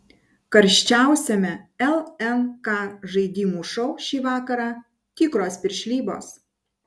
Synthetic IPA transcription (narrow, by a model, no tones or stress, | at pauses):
kɐɾʲʃʲt͡ʃʲæˑʊsʲɛmʲɛɛlˠɛnkɑːʒɐɪd̪ʲiːmuːʃɔʊʃʲiːʋɑːkɐɾɑː | t̪ʲiːkɾoːspʲɪɾʲʃʲlʲiːbo̰ːs